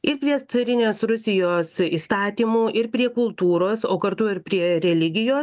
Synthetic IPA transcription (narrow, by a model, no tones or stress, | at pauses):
ɪɾpʲɾʲiɛt̪sɐɾʲɪnʲeːsɾʊsʲɪjoːsiːst̪ɑːt̪ʲiːmuːʔɪɾpʲɾʲiɛkʊlˠt̪uːɾoːsoːkɐɾt̪ʊɪɾpʲɾʲiɛɾʲɛlʲɪɡʲɪjoːs